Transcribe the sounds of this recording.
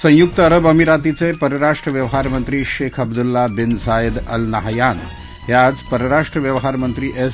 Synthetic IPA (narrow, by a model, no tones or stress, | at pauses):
sə̃juk̚t̪əɐɾəbɐmiɾat̪it͡sepəɾəɾaʂʈɾəʋjɐʋɦaɾmənt̪ɾiːʃeːkʰɐbd̪ulːabɪnsajəd̪ɐlnɐɦajaːn | ɦjad͡zpəɾəɾaʂʈɾəʋjəʋɦaɾmənt̪ɾiːʔes